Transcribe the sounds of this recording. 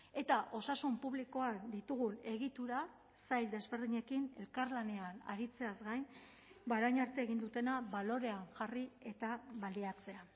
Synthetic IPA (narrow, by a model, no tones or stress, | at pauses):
e̞t̪aʔo̞sasumpuβliko̞and̪it̪uɣune̞ɣ̞it̪uɾa | sajld̪e̞zβe̞ɾðiɲe̞kine̞̰lkaɾlane̞ana̰ɾit͡se̞azɡajn | baɾajɲaɾt̪e̞ːɣ̞ind̪ut̪e̞naβalo̞ɾe̞aŋʝarie̞t̪aβaliat͡se̞a